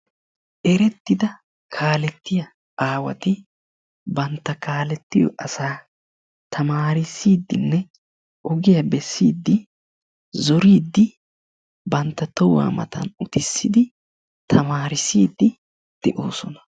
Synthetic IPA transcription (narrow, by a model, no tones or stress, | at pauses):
ʔɛɾɛt̪ːɪd̪ɐ | kʰaːlɛt̪ːɪjɐ | aːwɐ̰t̪ɪ | bɐnt̪ːɐkaːlɛt̪ːɪjɔ̰ʔɐsaː | t̪ʰɐmaːɾɪsiːd̪ːɪnːɛ | ʔɔɡɪjɐbɛsːiːd̪ːɪ | zɔɾiːd̪ːɪ | bɐnt̪ːɐt̪ɔwa̰ːmɐ̰t̪ʰɐ̰nʊt̪ɪsːɪd̪ɪ | t̪ʰɐmaːɾɪsiːd̪ːɪ | d̪̥ɛʔo̰ːsɔnɐ̥